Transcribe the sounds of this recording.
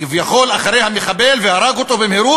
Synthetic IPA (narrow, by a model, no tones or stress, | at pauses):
ivjaχo̞laχaɾe̞jhameχabelvehaɾaɡot̪o̞bemheɾu